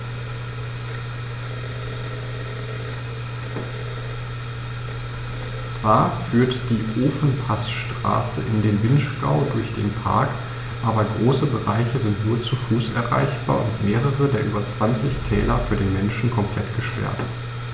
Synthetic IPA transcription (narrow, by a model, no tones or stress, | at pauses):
t͡sv̥aːɐfyːɐtd̥iːʔoːfn̩pʰasʃtʁ̥a̰ːsə̰ʔɪndeːnvɪnʃɡ̥a̰ʊdʊɐçd̥ḛːnpʰa̰ɐk | ʔaːbɐɡʁoːsəbəʁaɪçəzɪntnuːɐt͡sufuːsʔɛ̰ɐʁa̰ɪçb̥a̰ːɐʔʊntmeːʁ̞əʁədeːɐʔyːbɐt͡sv̥ant͡sɪçtʰɛ̰ːlɐfyːɐɾeːnmɛnʃn̩kʰɔmpl̥ɛtɡ̥əʃpɛ̰ɐt